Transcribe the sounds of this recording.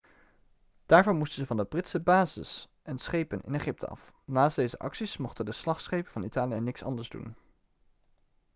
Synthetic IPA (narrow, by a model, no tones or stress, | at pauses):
d̥aːɹvʊːnmustən̩zəvɑndəbrɪtsəbaːzɪ̰s | ʔɛnsχejpənɪ̰neχɪp̚tʰə̰ɑ̰fnaːsdejzəʔɑ̰ksismɔχtəndəslɑχsχejpənv̥ɑnitaːlijənɪksɑ̰ndəɹzdṵn